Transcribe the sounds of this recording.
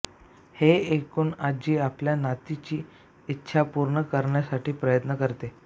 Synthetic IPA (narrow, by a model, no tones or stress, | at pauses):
heekuːnad͡ʑiːapljanat̪it͡ɕiː | tːɕʰapuɾɳəkəɾɳjasaʈʰiːpɾəjət̪nəkəɾt̪e